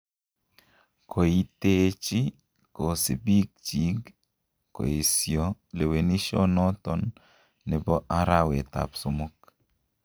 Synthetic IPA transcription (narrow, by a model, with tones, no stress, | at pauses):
kʰo˨i˦te˦t͡ʃi˦ | ko˨se˨bi˦k̚t͡ʃi˨˦ɡ | ko̰˨e˨sjɔ˨le˨we˨ni˦ʃɔ̰˦nɔ˦tɔ˨nː | ɪ˨bɔ˦ʔa˦ɾa˦˨wḛ˨ta̰˨psʊ˨mʊ˦k